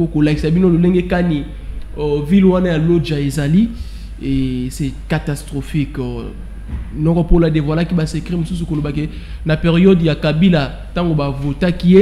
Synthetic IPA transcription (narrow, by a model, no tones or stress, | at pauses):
okolakisabinololeŋɡekani | vilwanajalod͡ʒaezali | esɛkatastʁofik | lɔkɔpoladevwalakibasekʁimosus̬ukolobake | napeʁijɔdjakabila | taŋɡobavotakie